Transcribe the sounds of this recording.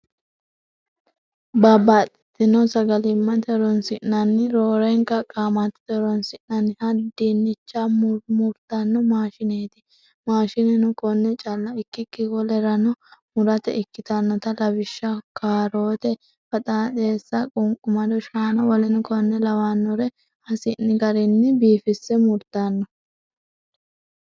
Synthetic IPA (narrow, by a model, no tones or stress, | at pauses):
babaːt̪ʼːɪ̥t̪ːɪnɔsɐɡɐlɪmːɐt̪ɛɾɔnsɪʔnɐnːɪɾoːɾɛŋkɐkʼːaːmɐt̪ɪ̥t̪ɛɾɔnsɪʔnɐnɪhɐd̪inːɪt͡ʃːammʊɾt̪ɐnːɔmaːʃɪneːt̪ɪ̥ | maːʃɪnɛnʊkɔnːɛt͡ʃʼɐlːɐɪkːɪkːɪɡɔlɛɾɐnɔmʊɾɐt̪ɛ̰ʔɪkːɪt̪ɐnːɔt̪ɐlɐbɪʃːɐkʰaːɾo̞ːt̪ɛ | fɐt̪ʼɐt̪ʼe̞ːsːɐkʼʊŋkʼʊmɐd̪ɔʃaːnɐwɔlɛnʊkɔnːɛlɐwaːnːɔɾɛ | hɐsɪnːɪɡɐɾɪnːɪbiːfɪsːɛmʊɾt̪anːɔ